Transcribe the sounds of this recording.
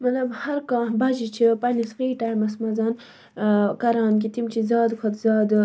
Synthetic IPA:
mɐt̪lɐbhɐɾkaːbad͡ʒit͡ʃʰipanisfiːʈaːjmɐsmɐzaːn | kɐɾɑːnk̬it̪imt͡ʃʰizɑːd̪kʰɐt̪zɑːd̪

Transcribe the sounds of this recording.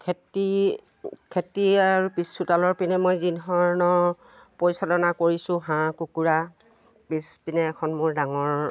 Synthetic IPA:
kʰeti | kʰetiaɹupisːutalɔɹpinɛmojzinɦɔɹnɔ | pɔjsɔdɔnakoɹisʊ̃ɦãkukuɹa | bispinɛːkʰɔnmʊɹdaŋɔɹ

